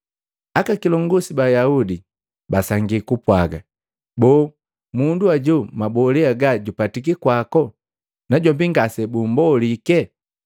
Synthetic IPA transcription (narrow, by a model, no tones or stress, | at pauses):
akakilɔŋɡɔsibajaudi | basaŋɡikupwaɡa̰ | bɔː | munduaɟumabɔlɛaɡaɟupatik̬ikwakɔ | naɟɔmbiŋɡasɛbumbɔlikɛ